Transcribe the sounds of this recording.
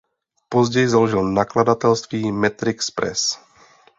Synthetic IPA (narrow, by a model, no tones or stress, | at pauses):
pozɟɛjɪzaloʒɪlnakladat̪ɛlst̪viːmɛt̪ɾɪkspɾʔɛ̰s